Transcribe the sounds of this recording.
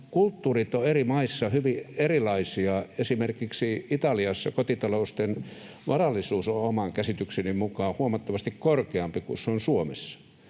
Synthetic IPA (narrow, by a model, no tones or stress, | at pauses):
kult̪ːuːrit̪oerimɑisːɑhyʋierilɑisiɑesimerkiksiit̪ɑliɑsːɑkot̪it̪ɑloust̪en | ʋɑrɑlːˑisuːsoomɑŋkæsit̪yksenimmukɑːhuomɑt̪ːɑʋɑst̪ikkorkeɑmpikṵseonsuomesːɑ̥